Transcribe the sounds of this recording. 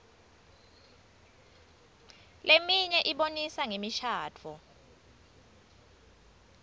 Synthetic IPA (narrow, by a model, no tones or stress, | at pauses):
lemiɲɛʔiɓonisaŋemiʃaːtʰɔ